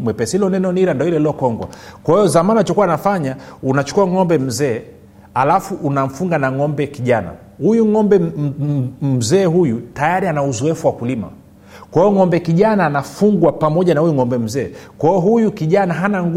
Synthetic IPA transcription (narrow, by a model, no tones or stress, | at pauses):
mwɛpɛsiilɔnɛnɔniɾandɔilɛlɔkɔŋɡwa̰kwahijɔzamaniat͡ʃɔkuwanafaɲaunat͡ʃu̥kuaŋɔmbɛm̩zɛː | alafuʔːnam̩fuŋɡanaŋɔmbɛkiʄana̰ | hujuŋɔmbɛ | m̩zɛːɦujutajaɾianauzɔɛfuwakulima̰ | kwaiɔŋɔmbɛkiʄanaːnafuŋɡwapamɔʄanahujuŋɔmbɛm̩zɛːkwaijɔɦujukiʄanaɦanaŋ